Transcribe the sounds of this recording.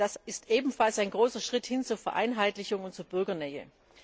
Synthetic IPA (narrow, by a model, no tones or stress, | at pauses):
d̥asɪstʔeːbm̩falsaɪnɡʁoːsɐʃʁ̥ɪthɪnt͡suːɐfɛɐʔa̰ɪnɦaɪtlɪçʊŋʊnt̚t͡suːɐbʏɐɡɐnɛːə̰